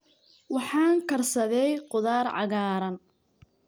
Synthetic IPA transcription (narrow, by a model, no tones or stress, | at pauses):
wɑħɑːŋkʰɐrsɐðɛjqʊðaːrʕɑ̰ɣaːɾɐn